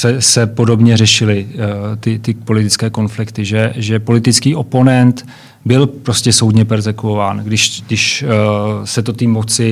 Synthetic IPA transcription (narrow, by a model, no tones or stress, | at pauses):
sɛsɛpo̞do̞bɲɛrɛʃɪlɪt̪ɪt̪ɪpo̞lɪt̪ɪt͡skɛːko̞nflɪkt̪ɪʒɛʒɛpo̞lɪt̪ɪt͡skiːʔo̞po̞nɛnt̪ | bɪlpɾoscʲɛso̞wdɲɛpɛɾzɛkuovaːnɡdɪʃɡdɪʃ | sɛt̪o̞t̪imot͡sɪ